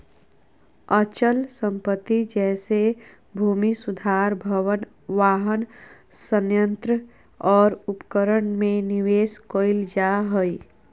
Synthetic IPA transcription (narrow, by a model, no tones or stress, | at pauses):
ət͡ʃəlsə̃mpət̪ːid͡ʒɛːse | bʱuːmisʊd̪ʱaːɾbʱəʋən | ʋaːɦən | sənjə̃nt̪ɾə | ɔːɾʊpkəɾəɳmẽnɪʋeːskoːɪld͡ʒaɦoi